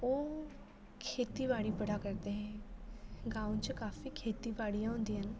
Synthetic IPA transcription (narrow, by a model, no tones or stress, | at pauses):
oː | kʰeːt̪iːbaːɽiːpəɽaːkəɾd̪eːɦɛ̃ː | ɡaːũt͡ʃəkaːfiːkʰeːt̪iːbaːɽijãːɦʊ̃nd̪iːɦən